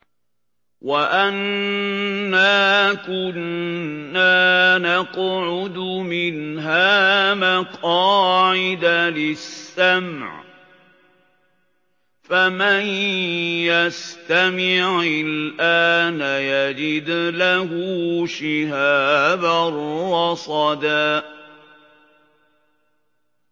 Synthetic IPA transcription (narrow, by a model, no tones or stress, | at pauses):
waʔanː | aːkʊnː | aːnaqʕʊd̪ʊmɪnɦaːmaqɑːʕɪd̪alɪsːamʕ | faman | jast̪amɪʕɪlʔaːnajad͡ʒɪd̪lahuːʃɪhaːbarˤːɑsˤɑd̪aːʔ